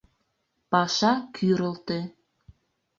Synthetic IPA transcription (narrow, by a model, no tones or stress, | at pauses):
pɑʃɑkʰyɾəlt̪e